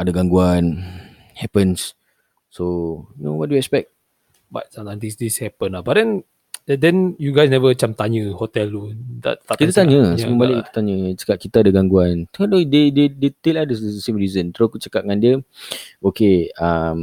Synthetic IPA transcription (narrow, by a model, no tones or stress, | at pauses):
adaɡaŋɡuan | hɛpəns | sojunowɔt̚dujuɛk̚spɛk̚t̚ | ba̰t̚sãt̪ãŋdisdishɛpə̃nabadɛ̃n | dɛ̃njuɡajsnɛvət͡ʃamt̪aɲəhot̪ɛltuda̰t̚t̪akit̪at̪aɲə̃səməbalɪʔ̚kit̪ə̥t̪aɲət͡ʃə̥kat̪̚kit̪aadaɡaŋɡuant̪kadodededet̪eladəsdəəsẽmɹizənt̪ɾokut͡ʃəkat̚ŋãndiəokeam